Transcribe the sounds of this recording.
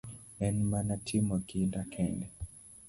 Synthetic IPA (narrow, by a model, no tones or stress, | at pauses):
ɛnmanatʰimɔkindakʰɛnɡɛ